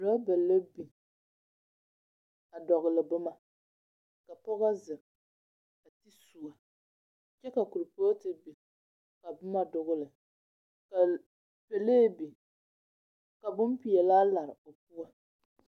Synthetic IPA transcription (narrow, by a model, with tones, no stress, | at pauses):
la˦bɛ˨lːa˦bi˨ | a˨dɔ˨ɣɨ˨lɨ˨bʊ˦ma˦ | ka˨pɔ˦ɣa˦zɨ˨ | a˨ti˦su˨a˨ | t͡ʃɛ˦ka˨ku˨ɾɨ˨po˦tɨ˨bi˨ | ka˨bʊ˦ma˦dʊ˨ɣʊ˦lɨ˨ | ka˨ | pɛ˨leː˦bi˨ | ka˨bʊ˦mpi˨ɛ˨laː˦la˨ɾɨ˨o˨pu˦a˦